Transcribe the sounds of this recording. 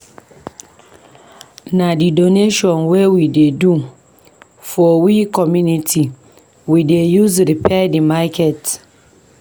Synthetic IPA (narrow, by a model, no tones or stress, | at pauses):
nadidoneʃɔ̃nwewidedu | fɔwikɔmjunitʰi | widejuzɾipʰɛdimakʰɛt